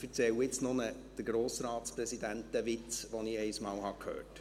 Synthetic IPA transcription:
fəɾt͡sɛwɪt͡snʊnəd̪̥əɾɡ̥ɾoːsɾɑːtspɾɛsid̪ænt̚dəʋɪt͡sʋɔnɪɛɪsmɑːlhɑkʰhø̰ːt

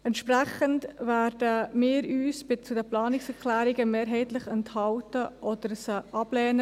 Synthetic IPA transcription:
ɛntʃpɾɛχəndvæːɾd̥əmɪːɾyːsb̥ɪt͡sudəplɑːnɪksɛklæːɾɪɡəmeːɾɦɛɪtlɪχɛnthɑltəʔɔd̥əɾsəʔɑblɛːnə

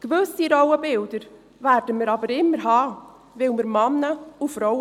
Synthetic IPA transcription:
ɡ̥vøsiɾɔwəbɪld̥əɾ | væːɾd̥əməɾɑbəɾɪmːəɾɦɑː | vɪlməɾmɑnːəufɾɔw

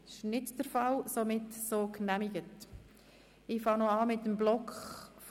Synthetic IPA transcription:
ɪʃnɪtd̥əɾfɑlsomɪtsoːknæmiɡət | ɪfɑŋnoɑːmɪtːəmblɔkχf

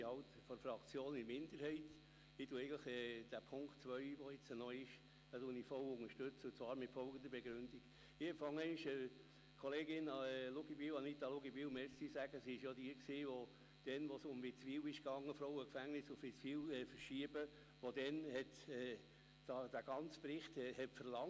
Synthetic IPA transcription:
hɑwt̪ | fɔɾfɾɑkt͡sjoːnɪɾmɪndəɾhɛɪt̪ | ɪtuɛɪɡələχɛːd̥æpʰʊŋktt͡sʋœʏʋɔɪt͡sənɔjɪʃ | d̥ɑduənifɔwʊŋəɾʃtʏt͡səʊt͡svɑːɾmɪtfɔlɡəd̪əɾbeɡɾʉnd̪iɡ | ɪfɑŋːɛɪnʃə | kʰɔleːɡɪnɑɛlʊɡibiwɑnit̪ɑlʊɡibiwmɛɾsisæɡ̥əsiɪʃjɑd̪iəksiːʋo | d̥ɛnʋosʊmbɪt͡sʋiːwɪʃkɑŋːəfɾɔwəkfæŋnɪsʊfɪt͡sʋiːwɛfəɾʃiəbə | ʋod̥̪ɛnhɛt̪ɛ | d̥ɑd̥æɡ̥ɑnt͡spɾɪχtɛhɛpfəɾlɑŋ

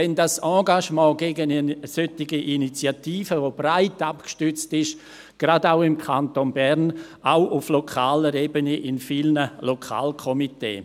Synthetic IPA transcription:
ɛndasɑ̃ːɡaʃmɑ̃ːɡeːɡənisøtɪɡiʔinit͡sjatiːfəvob̥raɪtapkʃtʏt͡stɪʃ | ɡ̥radaʊɪmkʰantonbɛɾn | aʊʔʊflokʰaːləɾebəniʔɪnfilnəlokʰa̰ːlkʰɔmitḛː

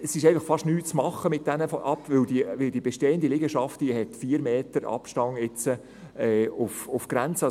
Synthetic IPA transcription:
əsɪʃɛɪfɑχfɑʃtnyːt̚t͡smɑχːəmɪt̚d̥̪ɛnəfɔʔɑpːʋɪld̪iʋɪld̥iəb̥ɛʃteːənd̪ilɪɡəʃɑftd̥ihɛt̪fiːəɾmeːtəɾɑ̰pʃtɑŋɪt͡sə | ɛːʊfʊfɡ̥ɾænt͡sə

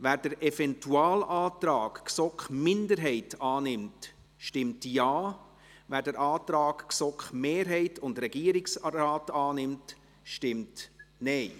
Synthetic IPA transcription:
ʋæːɾd̥əɾʔɛfɛntʰuaːlʔaːtɾɑːkksɔkχmɪndəɾɦɛɪtɑːnɪmt | ʃtɪmtjaɑː | væːɾdəɾɑːt̪ɾɑːkksɔkχmeːɾɦɛɪtʰʊndɾɛɡiəɾɪksɾaːtɑːnɪmt | ʃtɪmtnɛɪ

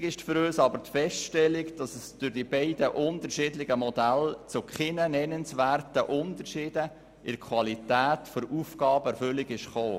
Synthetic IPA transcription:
ɡɪʃtfɾøːsɑbəɾtfɛstʃtɛlːɪkd̥ɑsəsd̥ʊɾd̥ibɛɪdəʔʊntəɾʃɪːdlɪɡəmɔdælt͡sʊkχɪnənɛnənsʋæːrtəʔʊntəɾʃɪːd̥ə | ʔɪɾkʰʋɑlitæːtfɔɾufɡ̥ɑːbəɛɾfʏlːɪɡɪʃχoː

